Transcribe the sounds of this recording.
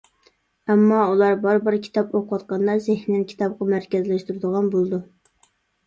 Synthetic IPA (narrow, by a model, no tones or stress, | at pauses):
ɛmːɑulˠɑɾbɑɾbɪɾkʲʰi̥t̪ʰɑpoqʰwɑt̪̚qɑnlˠɑzɪhnɪnkʲʰi̥t̪ʰɑp̚qɑmæɾkʲɛzlæʃt̪uɾɨd̪əʁɑnbolˠd̪u